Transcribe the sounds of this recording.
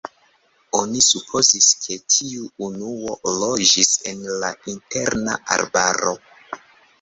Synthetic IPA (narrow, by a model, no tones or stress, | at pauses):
onisupʰo̞ziskʰe̞tʰiuːnuo̞lo̞d͡ʒise̞nlainte̞ɾnaʔa̰lbaɾo̞